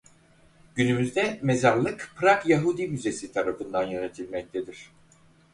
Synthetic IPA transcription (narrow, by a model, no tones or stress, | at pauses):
ɟ̥ynymyzd̪ɛmezaɾlˠɯkpʰɾakjaɦud̪imyze̞sit̪ʰaɾafɯnd̪anjanet̪ʰilʲmɛc̚t̪ʰed̪iɾ̥